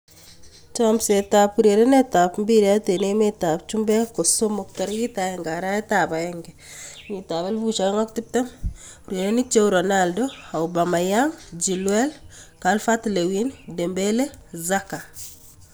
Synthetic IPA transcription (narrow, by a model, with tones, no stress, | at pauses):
t͡ʃamsetapuɾje˨ɾe˦netapmbiɾa˦te˨ne˦metapt͡ʃumbɛ˦ko˨somɔktɔ˨ɾɡi˦taɛŋɡa˨ɾa˦ɛ˦taba˨ɛŋɡɛ | mi˨ta˨ba˦lvu˦t͡ʃa˨ɛ˦ŋa˦kti˦p̚tɛ˦m | uɾje˨ɾe˦nit͡ʃeuɾonaldoa˨wbama˨jaŋd͡ʒi˨lwɛ˦lkalfa˦tlewinde˨mbele˦zaka˨